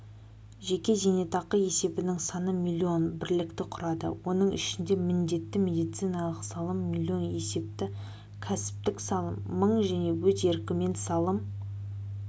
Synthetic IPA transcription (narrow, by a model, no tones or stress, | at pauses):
ʒe̞kʲe̞zene̞t̪ɑqəje̞se̞bɪnɪŋsɑnəmʲilʲio̞nbɪɾlɪkt̪ɪqʰʊɾɑd̪ə̰wo̞nəɴʔɪ̰ʃɪnd̪e̞mɪnd̪e̞t̪ːɪmʲe̞d̪ijt̪sɨjnɑlˠəqsɑlˠəmːilʲːio̞nje̞se̞p̚t̪ɪ | kʲʰæsɪ̥p̚t̪ɪksɑlˠəmːəɴʒæne̞wɵze̞ɾkʲɪme̞nsɑlˠəm